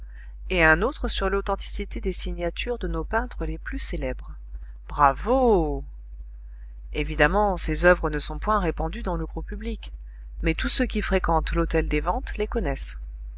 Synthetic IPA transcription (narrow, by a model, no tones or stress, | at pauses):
eɛ̃not̪χəsyʁlot̪ɑ̃t̪i̥sit̪ed̪esiɲjat̪yʁd̪ənopɛ̃t̪χəleplyselɛbʁ | b̥ʁavo | evid̪amɑ̃sezœvʁənəsɔ̃pwɛ̃ʁepɑ̃d̪yd̪ɑ̃ləɡʁupyblik | mɛt̪usøkʲifχekɑ̃t̪lot̪ɛld̪evɑ̃t̪lekɔnɛs